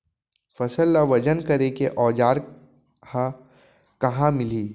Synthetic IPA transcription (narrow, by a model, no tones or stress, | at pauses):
fɐsəlːaʋɐd͡ʒənkɐɾekeʔɔːd͡ʒaːɾ | hã | kɐɦãmɪliː